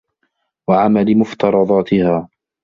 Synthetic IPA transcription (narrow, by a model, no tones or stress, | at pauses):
waʕamalɪmʊft̪ɑɾˤɑd̪ˤɑːt̪ʰɪhaː